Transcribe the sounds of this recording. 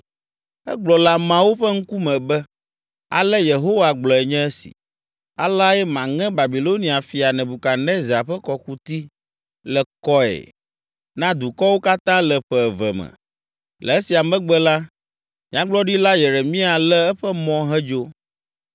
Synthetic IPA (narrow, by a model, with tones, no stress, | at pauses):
ɛ̰˦ɡ͡blɔ˨la˦mã˨wo˦ɸɛ˦ŋ̩˦ku˦mɛ̃˨bɛ˦ | a̰˨lɛ˦je˨ɦo˦wa˨ɡ͡blɔ˨ɛ˨ɲɛ̃˦ɛ˦sḭ̥˨ | a̰˨la˦jɛ˦mã˨ŋɛ̃˦ba˨bi˨lo˦nĩ˨a˨fi˨a˨nɛ̃˨bu˨ka˨nɛ̃˦za˨ɸɛ˦kɔ˨ku˦t̪i˦ | lɛ˨kɔ˦ɛ̰˨ | nã˦d̪u˨kɔ˦wo˦ka˦t̪ã˦lɛ˨ɸɛ˨vɛ̰˨mɛ̰˨ | lʔɛ̰˨ɛ˦si˨a˨mɛ̃˦ɡ͡bɛ˦la˦ | mĩ˦ã˦ɡ͡blɔ˦ɖi˦la˦jɛ˨ɾe˨mĩ˦a˨lɛ˦ɛ˦ɸɛ˦mɔ̃˦ɦɛ˦d͡ʒo˦